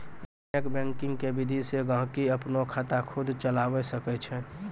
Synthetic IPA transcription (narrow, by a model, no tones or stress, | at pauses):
ekbɛ̃ŋkɪ̃ŋɡkebid̪ʱiseɡãɦkiəpnokʰat̪akʰʊd̪ʱt͡ʃəlaːwɛsəkɛt͡ʃʰɛ̃